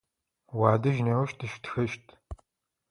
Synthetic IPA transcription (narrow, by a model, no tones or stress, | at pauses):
waːdɐʒnɐwɐʃtʰɨʃtxɐʃtʰ